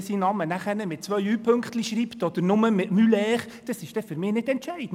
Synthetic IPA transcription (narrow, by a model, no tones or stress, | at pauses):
sinɑmənæχəɾnəmɪt̚t͡sʋœʏyːpʰɵŋkχt̪liʃriːptɔd̥̪əɾnʊməmɪtmylɛːχ | d̥ɑsɪʃd̥ɛfʏɾmɪːnɪdɛntʃæɪd̥n̩